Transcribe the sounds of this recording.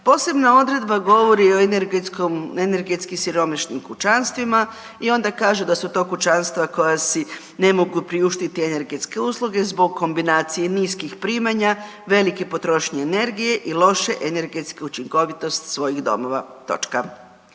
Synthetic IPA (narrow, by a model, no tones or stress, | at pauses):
po̞ːse̞bnao̞d̪ɾe̞d̪baɡo̞ʋo̞ɾio̞enɡkomene̞ɾɡe̞t̪skimsiɾo̞maʃnimkut͡ʃanst̪ʋima | io̞nd̪akaːʒud̪asut̪o̞ːkut͡ʃanst̪ʋako̞jasi | ne̞mo̞ɡupɾiuʃt̪it̪iene̞ɾɡe̞t̪ske̞uːslˠuɡe̞zbo̞ɡkːo̞mbinaːt̪sije̞niːskixpɾiːmaɲa | ʋe̞like̞po̞t̪ɾo̞ʃɲeːne̞ɾɡije̞ʔilˠo̞ʃe̞ʔene̞ɾɡe̞t̪ske̞ut͡ʃiŋko̞ʋit̪o̞st̪sʋo̞jiɣd̪o̞̰mo̞ʋa̰t̪o̞̰t͡ʃka